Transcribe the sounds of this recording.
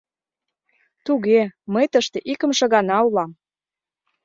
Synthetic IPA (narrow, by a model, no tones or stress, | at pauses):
t̪uɣeməjt̪əʃt̪eʔikə̆mʃɤ̆ɣɑnɑulɑm